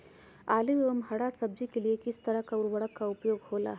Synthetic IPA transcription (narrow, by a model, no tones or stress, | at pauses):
aːliəmɦɐɽasɐb̚d͡ʒikeliekɪst̪ɐɾəɦkaʊɾwɐɽəkːaʊpjoːɡhoːla̰ːɦ